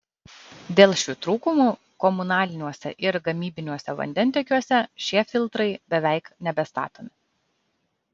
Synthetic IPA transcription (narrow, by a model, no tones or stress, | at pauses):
d̪ʲeːlˠʃʲuːt̪ɾuːkʊmuː | kɔmʊnɑːlʲɪnʲuɔsʲɛ̰ʔɪɾɡɐmʲiːbʲɪnʲuɔsʲɛʋɐ̰nʲd̪ʲɛnʲt̪ʲikʲuɔsʲɛʃʲiɛfʲɪlˠt̪ɾɐɪbʲɛʋʲɛˑɪknʲɛbʲɛst̪ɑ̰ːt̪oːmʲɪ